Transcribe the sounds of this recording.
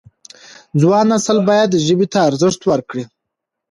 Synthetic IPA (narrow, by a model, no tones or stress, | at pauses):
zwɑːnasalbɑjad̪ʒəbit̪ʰaːɾzəʂt̪wəɾkɽi